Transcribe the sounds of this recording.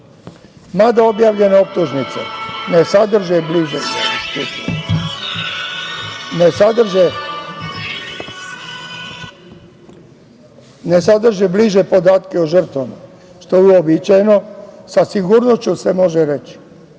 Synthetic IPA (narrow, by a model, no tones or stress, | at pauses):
mad̪aobjaːʋʎe̞neop̚t̪uʒnit̪sḛnesad̪r̩ʒebliʒest̪ut̪o̰ | nesad̪r̩ʒe | nesad̪r̩ʒebliʒepo̞d̪aːt̪keuʒər̩t̪ʋama̰ | ʃt̪ouobit͡ʃajno̞sasiɡuːɾnost͡ɕuse̞mo̞ʒeɾet͡ʃ